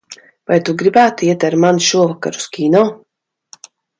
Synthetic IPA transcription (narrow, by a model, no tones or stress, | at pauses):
vajt̪uɡɾibæːt̪uiɛt̪aɾmanʃuɔvaka̰ɾu̥skʲiːnɔː